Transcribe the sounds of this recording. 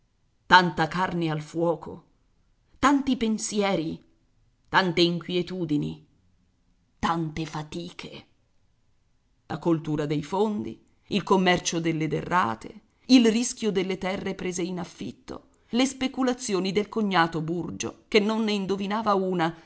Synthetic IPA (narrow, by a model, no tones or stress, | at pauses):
t̪ant̪akarnealfwɔːko̰ | t̪ant̪ipensjɛːɾi | t̪ant̪eiŋkwjet̪uːd̪inḭ | t̪ant̪efat̪iːkʰe | lʔa̰kolt̪uːɾad̪ejfond̪ḭ | ilkomːɛrt͡ʃod̪elːed̪ḛrːa̰ːt̪ḛ | ilrisk̟ʲjod̪elːet̪ɛrːepɾeːzeinafːḭt̪ːo̰ | lespekulat̪sːjoːnid̪elkoɲːaːt̪oburd͡ʒo̰kenːonːeind̪ovinaːvauːna